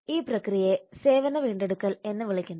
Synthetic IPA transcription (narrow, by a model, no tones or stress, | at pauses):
iːprɐkrijeseːʋɐnːɐʋiːɳɖeɽukːɐle̞nːɐʋiɭikʲːunːɐ